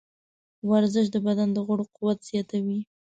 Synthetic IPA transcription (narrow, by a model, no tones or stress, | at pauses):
waɾzəʃ̬d̪əbad̪and̪əɣʊɽoquwat̪z̥jɑt̪awi